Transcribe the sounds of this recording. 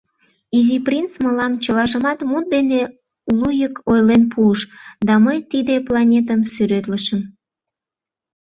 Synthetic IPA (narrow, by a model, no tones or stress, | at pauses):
iziprint͡sməlɑmt͡ɕəlɑʒəmɑt̪mut̪̚d̪ene | lujəkojlenpʰuəʃd̪ɑməjt̪id̪eplɑnʲet̪əmsyɾøt̪ləʃəm